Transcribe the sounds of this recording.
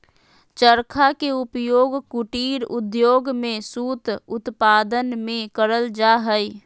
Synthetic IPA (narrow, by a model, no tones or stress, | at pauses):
t͡ʃəɾkʰakeʊpjoːɡkuʈiːɾʊd̪joːɡmẽsuːt̪ʊt̪paːd̪ənmẽkəɾəld͡ʒaɦəi